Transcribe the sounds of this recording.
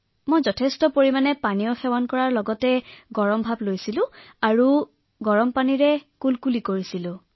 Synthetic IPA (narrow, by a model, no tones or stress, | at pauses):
mojzɔtʰestɔpoɹimanɛpaniɔxɛwankɔɹaɹlɔɡɔtɛɡɔɹɔmbʱablojsilʊ̃ | aɹu | ɡɔɹɔmpaniɹɛkulkulikoɹisilʊ̃